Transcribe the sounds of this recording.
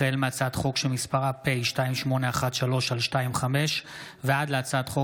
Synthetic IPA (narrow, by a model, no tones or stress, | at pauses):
elmeat͡sad̪χo̞kʃelmispaʁapejʃtaimʃmo̞ne̞aχat̪ʃalo̞ʃalʃtaimχame̞ʃ | vead̪leat͡sad̪χo